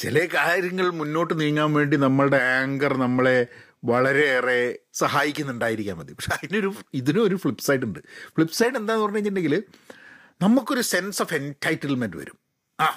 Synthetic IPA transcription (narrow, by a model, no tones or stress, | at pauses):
t͡ɕilɐkaːɾjɐŋːɐɭmunːo̞ːʈːɨniɻŋːaːnʋe̞ːɳɖinɐmːɐɭɽe̞aːŋɡɐrnɐmːɐɭe̞ | ʋɐɭɐɾe̞ːresɐhaːjikʲːunːuɳɖaːjiɾikʲːaːnbɐd̪jɐpɐkʂeɐðino̞ɾuiðinɨo̞ɾufɭipːsɐjʈːuɳɖɨfɭipːsɐjʈːe̞nd̪aːenːupɐrɐɲːɲːɐindeŋɡil | nɐmːukːo̞ɾuse̞nsofe̞ntʰɐjtːilmenɖɨʋɐ̰ɾum | aː